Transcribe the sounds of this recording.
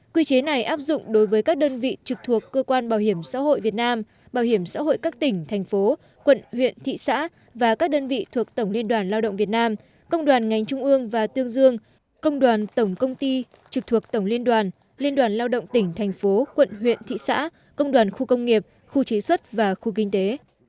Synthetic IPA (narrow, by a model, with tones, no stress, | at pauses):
kwi˧t͡ɕe˨˦na˨˩jʔaː˦˥p̚zʊ̰˧˨ŋ͡mɗo˨˦jvəː˨˦jkaː˦˥k̚ɗəː˧nvḭ˧˨t͡ɕɨ˨˩k̚t̪ʰu˨˩əkːəː˧kwaː˧nɓaː˨˩whi˧˩əmsa̰ː˧˥ho̰˧˨jvi˨˩ət̚naː˧m | ɓaː˨˩whi˧˩əmsa̰ː˧˥ho̰˧˨jkaː˦˥k̚t̪ï˧˩ŋ̟t̪ʰɛ˨˩jŋ̟fo˨˦ | kwə̰˧˨nhwḭ˧˨ənt̪ʰḭ˧˨sa̰ː˧˥ | vaː˨˩kaː˦˥k̚ɗəː˧nvḭ˧˨t̪ʰu˨˩ək̚t̪ə˧˩wŋ͡mli˧ənɗwaː˨˩nlaː˧wɗə̰˧˨wŋ͡mvi˨˩ət̚naː˧m | kə˧wŋ͡mɗwaː˨˩nŋa˨˩jŋ̟t͡ɕʊ˧ŋ͡mʔɨ˧əŋvaː˨˩t̪ɨ˧əŋzɨ˧əŋ | kə˧wŋ͡mɗwaː˨˩nt̪ə˧˩wŋ͡mkə˧wŋ͡mt̪i˧ | t͡ɕɨ˨˩k̚t̪ʰu˨˩ək̚t̪ə˧˩wŋ͡mli˧ənɗwaː˨˩n | li˧ənɗwaː˨˩nlaː˧wɗə̰˧˨wŋ͡mt̪ï˧˩ŋ̟t̪ʰɛ˨˩jŋ̟fo˨˦kwə̰˧˨nɦwḭ˧˨ənt̪ʰḭ˧˨sa̰ː˧˥ | kə˧wŋ͡mɗwaː˨˩nxu˧kə˧wŋ͡mŋi˨˩əp̚ | xu˧t͡ɕi˨˦swə˦˥t̚vaː˨˩xu˧k̬ï˧ŋ̟t̪e˨˦